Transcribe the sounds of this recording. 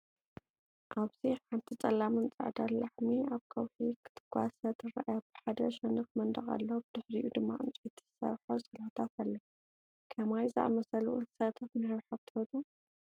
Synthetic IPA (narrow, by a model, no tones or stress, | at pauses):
ʔaβz̥iħant̪ʰit͡sʼɐlːamɨnt͡sʼa̰ʕd̪allaħmiaβkʰɐwhikʰɨ̥t̪ʰɨ̥ɡ̥ʷasɐt̪ʰɨɾa̰ʔjab̥ɨ̥ħad̪ɐʃɐnɨxmɐnd̪ɐχʼa̰lːobɨd̪̥ɨħɾijud̪ɨmːa̰ʔɨ̰nt͡sʼit̪ʰi̥ɨsɐ̰βħosʼɐlħt̪ʰat̪ʰalːɐ | kʰɐmajzɨʔa̰mɐsɐluʔunsɐt̪ʰɐfmɨɾɾħat̪ʰɨɐt̪ʼu